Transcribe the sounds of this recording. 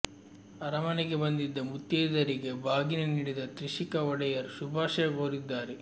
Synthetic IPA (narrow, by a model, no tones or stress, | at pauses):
ɐɾɐmɐnɛɡebɐnd̪id̪ːɐmut̪ːjeːd̪ɐɾiɡebʱaːɡinɐniːɽid̪ɐt̪ɾiʃikɐɔɽɐjɐɾsubʱaːʂɐjɐɡoːɾid̪ːaːɾe